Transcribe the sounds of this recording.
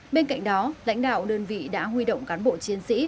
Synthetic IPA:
ɓe˧nka̰˧˨jŋ̟̚ɗɔ˨˦la̰˧˥jŋ̟ɗa̰ː˧˨wɗəː˧nvḭ˧˨ɗa̰ː˧˥ɦwi˧ɗə̰˧˨wŋ͡mkaː˨˦nɓo̰˧˨t͡ɕi˨˦ənsḭ˧˥

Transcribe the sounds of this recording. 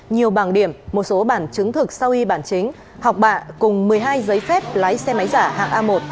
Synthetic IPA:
ɲi˨˩əwɓaː˧˩nɗi˧˩əmːo˨˩t̚so˨˦ɓaː˧˩nt͡ɕɨ˨˦ŋt̪ʰɨ˨˩k̚sa˧wʔi˧ɓaː˧˩nt͡ɕï˨˦ŋ̟ | hɔ˨˩wk͡p̚ɓa̰ː˧˨kʊ˨˩ŋ͡mmɨ˨˩əjɦaː˧jzəː˨˦jfɛ˦˥p̚la̰ː˨˦jsɛ˧ma˨˦jzaː˧˩ha̰ː˧˨ŋʔaː˧mo˨˩t̚

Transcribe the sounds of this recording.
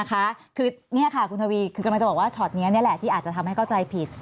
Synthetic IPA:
kʰa˦˥kʰɯː˧ni˥˩ɐkʰa˥˩kʰu˧nt̪ʰa˧wiː˧kʰɯː˧ka˧la˧t͡ɕbɔ˨˩waː˥˩t͡ɕʰɔ˨˩t̪̚ni˦˥ɐni˦˥ɐlɛ˨˩t̪ʰiː˥˩ʔaː˨˩t̚t͡ɕa˨˩t̪ʰmha˥˩jkʰa˥˩t͡ɕa˧jpʰi˨˩t̪̚

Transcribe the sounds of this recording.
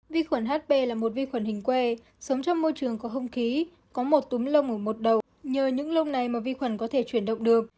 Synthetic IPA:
vi˧xwə˧˩nɦaː˦˥t̚ɓe˧laː˨˩mo˨˩t̚vi˧xwə˧˩nhï˨˩ŋ̟kwe˧˩ | sə˨˦wŋ͡mt͡ɕɔ˧wŋ͡mːo˧jt͡ɕɨ˨˩əŋkɔ˨˦ɦə˧wŋ͡mxi˨˦ | kɔ˨˦mo˨˩t̚t̪u˨˦ŋ͡mlə˧wŋ͡mʔəː˧˩mo˨˩t̚ɗə˨˩w | ɲəː˨˩ɲɨ̰˧˥ŋlə˧wŋ͡mna˨˩jmaː˨˩vi˧xwə˧˩nkɔ˨˦t̪ʰe˧˩t͡ɕwi˧˩ənɗə̰˧˨wŋ͡mɗɨ˨˩ək̚

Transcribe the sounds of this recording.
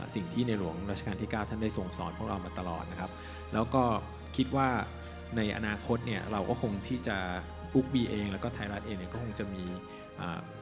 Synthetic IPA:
si˨˩ŋt̪ʰiː˥˩na˧jlu˩˦əŋɾa˦˥t̪̚ʰa˧kaː˧nt̪ʰiː˥˩kaː˥˩t̪ʰa˥˩nda˥˩jso˨˩ŋsɔ̰ː˨˦n̚pʰu˥˩əkɾa˧wmaː˧t̪a˧lɔ̰ː˨˩t̪̚na˦kʰa˦˥p̚ | lɛː˦˥wkɔː˥˩ | kʰi˦˥t̪̚waː˥˩ | na˧jʔa̰˧naː˧kʰo˦˥t̪̚ni˥˩ɐɾa˧wkɔ̰ː˥˩kʰo˧ŋt̪ʰiː˥˩t͡ɕa˨˩ | ʔu˦˥k̚biː˧ʔeː˧ŋlɛ˦˥wkɔː˥˩t̪ʰaː˧jɾa˦˥t̪̚ʔeː˧ŋni˥˩kɔː˥˩kʰo˧ŋt͡ɕa˨˩miː˧ | ʔa̰ː˨˩

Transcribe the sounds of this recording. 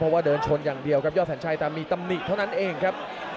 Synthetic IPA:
ɔ˦˥waː˥˩dɤː˧nt͡ɕʰo˧njaː˨˩ŋdi˧əwkʰa˦˥jɔ˥˩t̪̚ʰɛ˩˦nt͡ɕʰa˧˥˩jt̪ɛː˨˩miː˧t̪a˧mni˨˩t̪ʰa˥˩wna˦˥nʔeː˧ŋkʰa˦˥p̚

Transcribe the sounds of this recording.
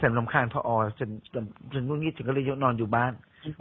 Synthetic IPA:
t͡ɕʰa˨˩˦mla˧˦mkʰaː˧ŋpʰɔ̰˧ʔɔː˧t͡ɕʰa˨˦nt͡ɕːt͡ɕʰːnu˥˩ŋiː˥˩t͡ɕʰːkɔ˥lɤː˧jo˦˥nɔː˧njuː˨˩baː˥˩n

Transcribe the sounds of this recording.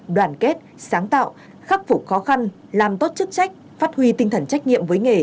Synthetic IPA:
ɗwaː˨˩nke˦˥t̚saː˨˦ŋt̪a̰ː˧˨w | xa˦˥p̚fʊ˨˩k͡p̚xɔ˨˦xa˧n | laː˨˩mt̪o˦˥t̚t͡ɕɨ˦˥k̚t͡ɕa˦˥jk̟̚ | faː˦˥t̚hwi˧t̪ï˧ŋt̪ʰə˨˩nt͡ɕa˦˥jk̟̚ŋḭ˧˨əmvəː˨˦jŋe˨˩

